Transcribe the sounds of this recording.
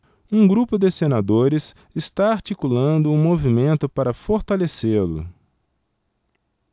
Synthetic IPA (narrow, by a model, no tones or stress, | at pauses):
ũɡɾupʊd̪ɪsenad̪oɾɪs | ɪst̪aaɾt͡ʃikulɐ̃nd̪ʊũmovimẽnt̪ʊpaɾɐfoɾt̪aleselʊ̰